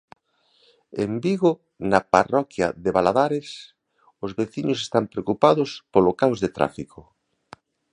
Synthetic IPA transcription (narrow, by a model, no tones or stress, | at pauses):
ḛmbiɣo | nɐparɔkjɐ̰ðeβalaðaɾes | ozβeθiɲʊsest̪ampɾeokupaðʊspolokawzðet̪ɾa̰fiko